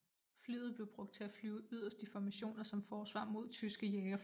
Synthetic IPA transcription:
fly̰ːð̩ˠb̥le̝ʊb̥ʁɔ̽ɡ̥d̥̚t͡sʰe̝æflyːʊyð̞̰ˠɐsd̥ifɒmæɕo̝̰ːnɐsɒ̽mfɒːsʋɑ̰̈ːmo̝ð̰ˠt͡sʰysɡ̥əjeɐ

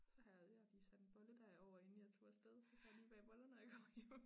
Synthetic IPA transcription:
sɒ̽ɦæðˠjɑ̈d̥isæd̥enb̥ɒ̽ləd̥æɐɒʊ̰ɐe̝nijæt͡sʰo̝ːsd̥eð̞ˠsɒkʰæjliːb̥ɛb̥ɒ̽lɐnəjɑ̈ɡ̥ʰɒːjem̰

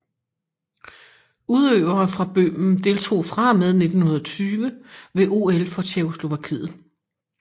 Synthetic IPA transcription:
uð̞ˠøːʊ̰ɐːfʁɑ̈b̥ømn̩d̥e̝ːlt͡sʰo̝̰ːfʁɑ̈með̞ˠne̝d̥n̩hunɐðˠɒ̽t͡sʰyːʋəʋe̝ʔo̝ːelfɒ̽ɕʰeo̝slo̝ʋækʰḭːð̩ˠ

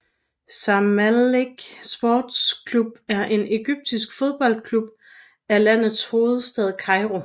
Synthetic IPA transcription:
sɑmæleɡ̥sb̥oːd̥skʰlub̥æɐʔe̝ne̝ɡ̥yb̥̚d̥isɡ̥fo̝ð̞ˠb̥ɒ̽l̰d̥kʰlub̥̚ | ælæn̰ð̩ˠsho̝ːð̞̩ˠsd̥ɛð̞ˠkʰɑ̈ɪʁo̝

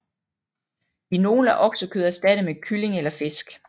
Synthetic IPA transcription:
ino̝ːl̩æʔɒ̽ɡ̥səkʰøðˠɐsd̥æd̥əmekʰyle̝ŋelɐfe̝sɡ̥

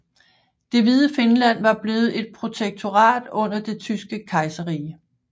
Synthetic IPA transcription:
d̥e̝ʋið̞ˠəfe̝nlæn̰ʋɑ̈b̥le̝ːð̩ˠe̝d̥̚pʰʁo̝t͡sʰeɡ̥̚t͡sʰo̝ʁɑ̰̈ːd̥ɔ̽n̰ɐd̥e̝t͡sʰysɡ̥əkʰɑ̈ɪsɐʁiː

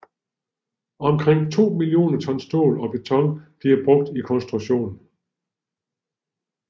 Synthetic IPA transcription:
ɒ̽mkʰʁeŋ̰t͡sʰo̝̰ːmilio̝̰ːnɐt͡sʰɒ̽nsd̥o̰ːlɒ̽b̥e̝t͡sʰɒ̽ŋb̥liɐb̥ʁɔ̽ɡ̥̚d̥ikʰɒ̽nsd̥ʁu̥ɕo̝̰ːn̩

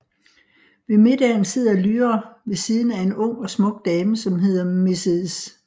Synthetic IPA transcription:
ʋe̝me̝d̥ɛːn̩se̝ð̞̰ˠɐlyːɐʋe̝siːð̞ˠn̩æe̝nɔ̽ŋ̰ɒ̽smɔ̽ɡ̥̚d̥ɛːməsɒ̽mɦe̝ð̞̰ˠɐme̝seðˠs

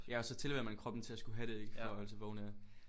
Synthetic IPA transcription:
jæɒ̽sɒ̽t͡sʰe̝lʋeɐ̰mænkʰʁɒ̽b̥n̩t͡sʰe̝læsɡ̥uɦæɾ̥ee̝ɡ̥ə̥fɒɒl̰seʋɒunæɐ

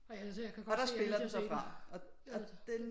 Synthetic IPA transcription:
ɒɾ̥ɑ̈sb̥e̝lɐd̥nsɒfʁɑ̈ɒ̽ɒd̥en

